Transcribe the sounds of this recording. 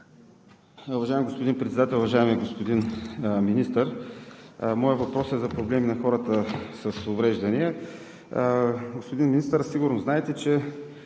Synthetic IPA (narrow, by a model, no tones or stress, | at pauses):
uvɐʒaɪɛmiɡospʊd̪inpɾɛt̪sɛd̪at̪ɛlʲʊvɐʒaɛmiɡospod̪inminist̪əɾ | mɔjət̪vɐpɾɔsɛzɐpɾoblɛminɐxɔɾət̪əsəsʊvɾɛʒd̪ɐniə | ɡospʊd̪inminist̪əɾsiɡʊɾnoznaɛt̪ɛt͡ʃɛ